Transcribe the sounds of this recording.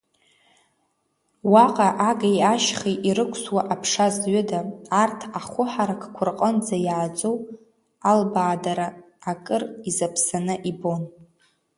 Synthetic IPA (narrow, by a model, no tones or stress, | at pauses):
waqʼaʔaɡajaʃχiʔiɾɨkʷʰswaʔapʰʂazɥʏdaːrtʰaχʷʊħaɾakʰkʷʰʊrqʼənd͡zajʕat͡sʼow | albaːdaɾaː | kʼɨrizapʰsanɨʔibo̞n